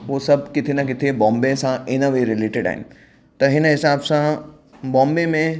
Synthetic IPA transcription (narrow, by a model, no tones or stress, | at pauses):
ʋoːsɐbʱkɪt̪ʰenɐk̬ɪt̪ʰebɔ̃ːmbesãʔɪnəʋeɾɪleːʈɪɖa̰ːɦɪ̰nɪ | t̪ɐɦɪnəɦɪsaːbsã | bɔ̃ːmbemẽ